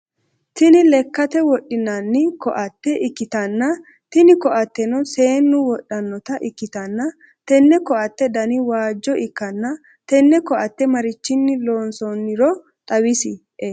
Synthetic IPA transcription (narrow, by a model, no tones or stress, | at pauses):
t̪ɪnɪlɛkːɐt̪ɛwɔɗɪnɐnːɪkɔʔɐt̪ːɛʔɪkːɪt̪ɐnːɐ | t̪ɪnɪkɔʔɐt̪ːɛnɔse̞ːnːʊwɔɗɐnːɔt̪ɐʔɪkːɪt̪ɐnːɐ | t̪ɛnːɛkɔʔɐt̪ːɛd̪ɐnɪwaːd͡ʒːɔʔɪkːɐnːɐ | t̪ɛnːɛkɔʔɐt̪ːɛmɐɾɪt͡ʃːɪnːɪlo̞ːnsɔnːɪɾɔ | t̪ʼɐwɪsɪ